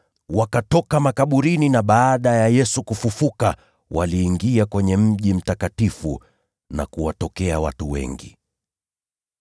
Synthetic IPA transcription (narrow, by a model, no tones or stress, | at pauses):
wakatɔkamakaɓuɾininaɓaːɗajajɛsukufufuka | waliːŋɡiakwɛɲɛm̩ʄim̩takatifṵ | na̰kuwatɔkɛawa̰tuwɛ̰ŋɡḭ